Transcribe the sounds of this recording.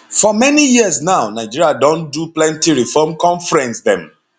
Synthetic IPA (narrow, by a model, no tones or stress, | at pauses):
fɔmɛnijiəsnaʊnaɪd͡ʒiɹiadɔ̃nduplɛ̃ntiɹifɔmkɔ̃nfɹɛ̃nsðɛ̃m